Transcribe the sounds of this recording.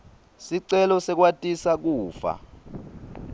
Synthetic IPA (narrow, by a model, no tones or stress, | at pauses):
siǀɛlɔsɛk̬watʼisak̬uːfa̰